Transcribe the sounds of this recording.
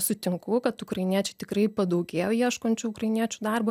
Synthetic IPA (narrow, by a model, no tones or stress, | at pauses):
sʊt̪ʲɪŋkʊkɐt̪ʊkɾɐɪnʲiɛt͡ʃʲɛɪt̪ʲɪkrɐɪpɐd̪ɐʊɡʲeːjoːiɛʃkoːnʲt͡ʃʲuːʊkrɐɪnʲiɛt͡ʃʲuːd̪ɑrbo